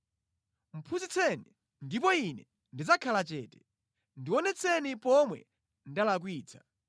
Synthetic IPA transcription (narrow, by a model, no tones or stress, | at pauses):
m̩pʰuzit͡sʰɛni | ndip̬ɔinɛ | ndizakʰalat͡ʃɛːtɛ̥ | ndiwɔnɛt͡sʰɛnipɔmwɛ̰ | ndalak̬wiːt͡sʰḁ